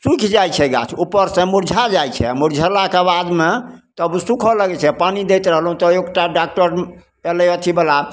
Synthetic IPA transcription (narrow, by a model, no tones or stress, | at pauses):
sukʰd͡ʒajt͡ʃʰɛɡa̰t͡ʃʰupːəɾsẽmuɾd͡ʒʱad͡ʒajt͡ʃʰɛ̰muɾd͡ʒʱəlakeabad̪met̪əbsukʰɔləɡɛt͡ʃʰɛpanid̪ɛjt̪ɾəɦəlɦũt̪ɔekʈaɖak̚ʈəɾ | ɛlɛət̪ʰibela